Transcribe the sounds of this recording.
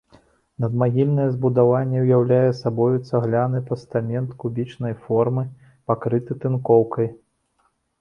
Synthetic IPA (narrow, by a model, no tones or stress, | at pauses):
nɐd̪maɣʲilʲnɐjɛzbud̪avanʲːɛwjawlʲajɛsabɔjut̪sːɐɣlʲanɨpɐst̪amʲɛnt̪kubʲit͡ʂnɐjfɔrmɨ | pakɾɨt̪ɨt̪ɨnkɔwkɐj